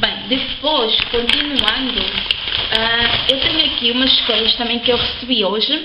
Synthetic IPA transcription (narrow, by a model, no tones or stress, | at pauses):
bɐ̃j̃d̪ɨpoʃkõnt̪inuɐ̃nd̪ʊ | aewt̪eɲuɐkiumɐzʃkoʎɐʃt̪ɐmɐ̃j̃kɨewʁɨsɨβioʒɨ